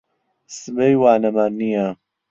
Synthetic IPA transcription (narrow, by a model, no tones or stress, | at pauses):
sɨbejwaːnɐmanːija